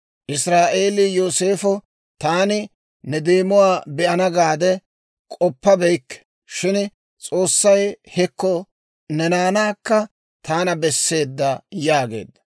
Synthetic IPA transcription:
ʔɪsɾaːʔe̞ːlijoːse̞ːfɔ | t̪aːnɪ | nɛd̪eːmʊwaːbɛʔɐnɐɡaːd̪ɛ | kʼɔpːɐbɛjkːɛ̥ | ʃɪn | t͡sʼo̞ːsːɐjhɛkːɔ | nɛnaːnaːkːɐ | t̪aːnɐbɛsːe̞ːd̪ːɐjaːɡe̞̰ːd̪ːɐ

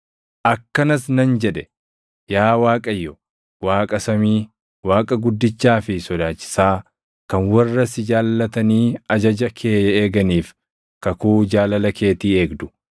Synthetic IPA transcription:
ʔɐkːɐnɐsnɐnd͡ʒɛᶑɛ | jaːwaːkʼɐjːɔ | waːkʼɐsɐmiː | waːkʼɐɡʊd̪ːɪt͡ʃːaːfɪsɔd̪aːt͡ʃːɪ̥saː | kɐnwɐrːɐsɪd͡ʒaːlːɐt̪ɐniːɐd͡ʒɐd͡ʒɐkʰeːjɐeːɡɐniːf | kɐkuːd͡ʒaːlɐlɐkʰe̞ːt̪iːe̞ːɡd̪ʊ̥

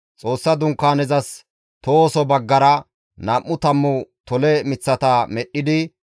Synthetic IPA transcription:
t͡sʼo̞ːsːɐd̪ʊŋkːaːnɛzɐs | t̪oːsɔbɐɡːɐɾɐ | nɐːʔːʊt̪ɐmːʊt̪ɔlɛmɪt͡sːɐt̪ɐmɛɗːɪd̪ɪ

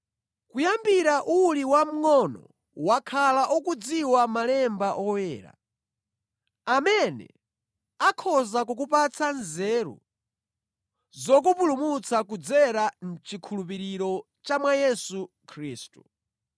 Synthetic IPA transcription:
kujambiɾaʔuliwam̩ŋɔnɔ̰ | wakʰalaʔɔkud͡ziwamalɛmbaʔɔwɛːɾa̰ | amɛnɛ̰ | akʰɔzakukupat͡sʰanzɛːɾṵ | zɔk̬upulumut͡sʰakud͡zɛɾan̩t͡ʃikʰulup̬iɾiɾɔ | t͡ʃamwajɛsu | kʰɾiːstu

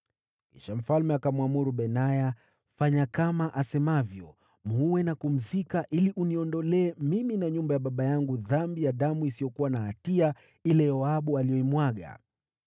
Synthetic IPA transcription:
kḭʃam̩falmɛakamwamuɾuɓɛnaja | faɲakamaʔasɛmavjɔ | m̩huwɛnakum̩zikaʔiliʔuniɔndɔlɛːmiminaɲumbajaɓaɓajaŋɡuðambijaɗamuisijɔkuwanaɦatia | ilɛjɔaɓualijɔimwaɠa̰

